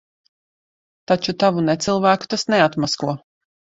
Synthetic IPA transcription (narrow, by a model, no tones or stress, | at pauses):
t̪at͡ʃut̪avunet̪sɨlˠvæːku̥t̪asnɛat̪maskuɔ